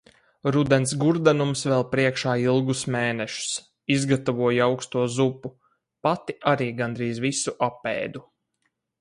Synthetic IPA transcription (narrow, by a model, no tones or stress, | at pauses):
ɾud̪ɛns̬ɡuɾd̪ɛnumsvɛlˠpɾiɛkʃaːilˠɡusmeːnɛʃu̥s | izɡat̪avuɔjawkst̪uɔzupːu | pat̪iʔaɾiːɡand̪ɾiːzvisuʔapːɛ̰ːd̪u